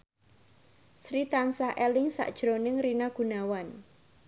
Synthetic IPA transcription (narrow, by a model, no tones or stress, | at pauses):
sɾit̪ansahʔɛlɪŋsa̰ʔd̥ʒ̥ɾonɪŋrinaɡ̥unawan